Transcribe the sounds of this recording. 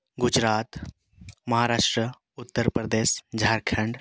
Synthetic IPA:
ɡʊd͡ʒɾaːt̪ | mɐɦaɾaːʃʈɾə | ʊt̪ːəɾpɾəd̪eːsd͡ʒʱaːɾkʰəɳɖ

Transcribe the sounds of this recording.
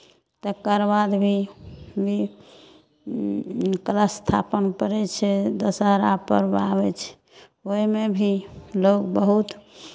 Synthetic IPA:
t̪əkəɾbad̪bʱibi | kələst̪ʰa̰pənpəɾɛt͡ʃʰɛd̪əsəɦɾapə̰ɾbaβɛt͡ʃʰɛ̥ | oimebʱilokbəɦut̪

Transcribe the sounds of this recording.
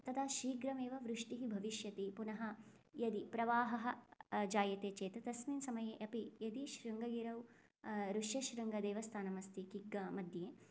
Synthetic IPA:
t̪ɐt̪ʰɐʃiːɡɾɐmeːʋɐʋɾuʂʈiɦibʱɐʋiʃjɐt̪ipunɐɦɐ | jɐd̪ipɾɐʋaːɦɐɦɐd͡ʒaːjɐt̪eːt͡ʃeːt̪ɐt̪ɐsmiːnsɐmɐjɐʔɐpijɐd̪iʃɾuŋɡɐɡiːɾɐw | ɾuʂjɐʃɾɐŋɡɐd̪eːʋɐst̪ʰaːnɐmɐst̪ikiɡːɐmɐd̪jeː

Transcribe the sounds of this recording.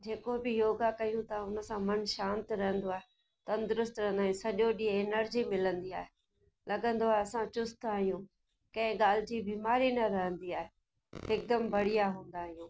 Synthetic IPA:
d͡ʑeːkobɪjoːɡakɐijũt̪ɐʊnə̆sãmɐnʃãːnt̪ɾɐɦə̃nd̪oaːɦe | t̪ɐ̃nd̪ʊɾʊst̪ɾɐɦə̃nd̪aːɦijũsɐʄoɗĩːɪnəɾd͡ʑimɪlə̃nd̪iaːɦe | lɐɡə̃nd̪oaːɦeɐsãt͡ɕʊst̪aːɦijũː | kɐ̃ɦɪ̃ɡaːl̤ɪd͡ʑibiːmaːɾinɐɾɐɦə̃nd̪iaːɦe | ɪk̚d̪əmbɐɽ̤ijaɦũːn̆d̪aːɦijũː

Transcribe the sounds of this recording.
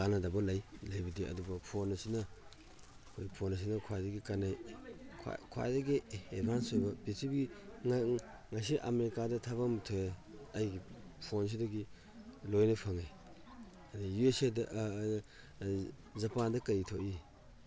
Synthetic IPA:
kanɐdɐbɐlajlajbidiɐ̰dubɐpʰonɐsinɐ | kʰoipʰonɐs̬inɐkʰwadɐɡikanajkʰa̰kʰwa̰jdɐɡiebʱansojbɐbisibɡiŋ | ŋas̬iʔɐmeɾikadɐtʰaβamtʰoeɐjɡipʰons̬idɐɡi | lojnɐpʰaŋej | adijuesedɐʔ | zɐpandɐkɐɾitʰoʔi

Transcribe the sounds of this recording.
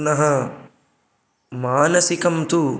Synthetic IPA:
nɐɦɐ | maːnɐsikɐmt̪u

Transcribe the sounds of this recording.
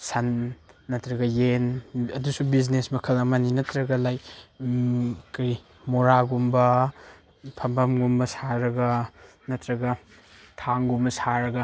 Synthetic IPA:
sɐnːɐtɾɐɡɐjenɐdusubiznesmɐkʰɐlɐmɐninɐtɾɐɡɐlaj | kɐj | moɾaɡumbɐ | pʰɐmbɐmɡumbɐsaɾɐɡɐ | nɐtɾɐɡɐ | tʰaŋɡumbɐsaɾɐɡɐ

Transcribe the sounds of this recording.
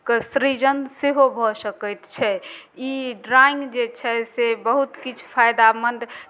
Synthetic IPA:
kəsɾid͡ʒənseɦobʱɔsəkət̪t͡ʃʰɛiɖɾaĩŋɡd͡ʒet͡ʃʰɛsebəɦut̪kit͡ʃʰpʰajd̪amənd̪

